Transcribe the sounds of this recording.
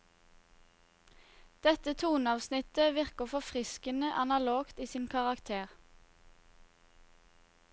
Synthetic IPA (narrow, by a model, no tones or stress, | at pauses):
d̪̥ɛt̪ət̪ʰuːnɑːʋsnɪt̪əʋɪʁkəfɔfʁɪskənəʔɑnɑloːɡt̪iːsiːnkʰɑʁɑkt̪ʰeːʁ